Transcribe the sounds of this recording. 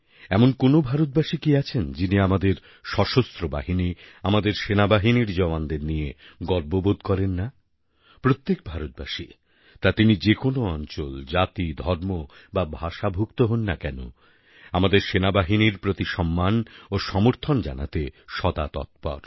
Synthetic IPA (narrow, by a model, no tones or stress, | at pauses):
ɛmonkonobʱaɾot̪̚baʃikiat͡ɕʰend͡ʑiniamad̪eɾ | ʃɔʃost̪ɾoba̰ɦiniamad̪eɾʃenabaɦiniɾd͡ʑɔband̪eɾnijeɡɔɾbobod̪kɔɾenːa | pɾot̪ːek̚bʱaɾot̪̚ba̰ʃi | t̪at̪inid͡ʑekonoɔnt͡ɕold͡ʑat̪id̪ʱɔɾmobabʱaʃabʱukt̪oɦonːakɛno̰ | amad̪eɾʃenabaɦiniɾpɾot̪iʃɔmːanoʃɔmoɾt̪ʰond͡ʑa̰na̰t̪eʃɔd̪at̪ɔ̰t̪̚pɔ̰ɾ